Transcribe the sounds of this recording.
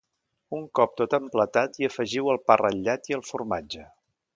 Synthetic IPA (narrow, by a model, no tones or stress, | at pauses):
uŋkɔp̚t̪ot̪əmplət̪at̪iəfəʒiwəlˠpərəʎːat̪iəlˠfurmad͡ʒə